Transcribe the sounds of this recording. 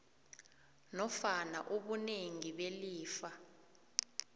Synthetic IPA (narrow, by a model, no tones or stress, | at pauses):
nɔfana̰ʔuɓuneŋiɓeliːfa